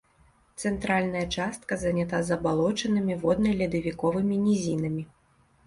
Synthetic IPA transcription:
t̪sɛnt̪ɾalʲnɐjɐt͡ʂast̪̚kɐzɐnʲat̪azɐbalˠɔt͡ʂɐnɨmʲivɔd̪nɐjlʲɛd̪ɐvʲikɔvɨmʲinʲizʲinɐmʲi

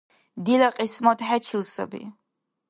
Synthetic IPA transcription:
dilaqʼismotʰħat͡ʃʰilsa̰bḭ

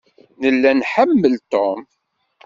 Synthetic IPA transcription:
nəlːænħəmːəlt̪om

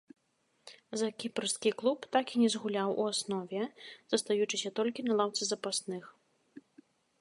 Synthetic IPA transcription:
zɐkʲiprskʲiklˠupt̪akinʲɛzɣulʲawʔṵasnɔvʲɛz̥ɐst̪ajut͡ʂɨsʲɐt̪ɔlʲkʲinɐlˠawt̪sɨzɐpasnɨx

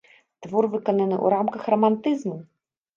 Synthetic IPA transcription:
t̪vɔrvɨkɔnɐnɨʔṵɾamkɐxrɔmant̪ɨzmu

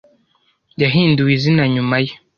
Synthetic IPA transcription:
jaɦindiwizinaɲumaji

